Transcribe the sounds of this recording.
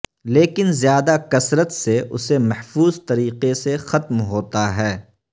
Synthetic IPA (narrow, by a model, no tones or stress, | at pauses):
leːkɪnzjaːd̪akɐsɾət̪seʔʊ̰semɐhfuːzt̪ɐɾiːqesexɐt̪mɦoːt̪aɦɛː